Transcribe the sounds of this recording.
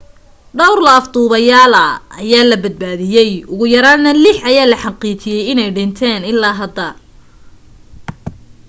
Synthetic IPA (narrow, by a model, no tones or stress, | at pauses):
ɖɔwrlɐːft̪uːβɐjaːlɐːjaːlɐbɐd̪̚baːðɪjɛjʊɣʊjɐɾaːnɐlɪħɐjaːlɐħɑqiːt͡ʃɪjɛjɪnɛjɖɪnt̪ʰɛːnɪlːaːɦɐd̪ːɐ